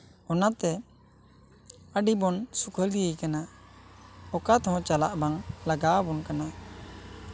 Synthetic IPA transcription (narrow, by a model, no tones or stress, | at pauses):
ɔnat̪ɛ | əɖibɔnsukʰəld̪ijəjkana | ɔkat̪ɛɦɔ̃t͡ʃalaʔbaŋlaɡabɔnkana